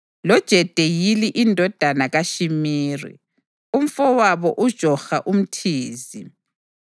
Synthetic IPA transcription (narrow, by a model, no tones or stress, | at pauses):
lɔd̥ʒ̥ʱɛd̥ʱejiliʔindʱɔd̥ʱanaɣaʃimiːrḭ | um̩fɔwaβɔʔud̥ʒ̥ʱɔxaʔum̩tʰiːzi